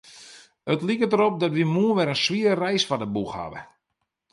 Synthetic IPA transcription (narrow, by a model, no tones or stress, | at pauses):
ətlikədəɾop̚dɔtʋimuəʋɛɾənsʋiəɾərɛjsfadəbuxha̰ʋə̰